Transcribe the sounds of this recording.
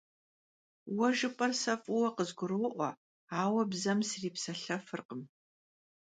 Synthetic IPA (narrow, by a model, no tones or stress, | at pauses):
wɐʒɨpʼɐrsɐfʼʊwɐqəzɡʷʊɾoːʔʷɔ̰ | aːwɐbzɐmsriːpsɐɬɐfɨrqəm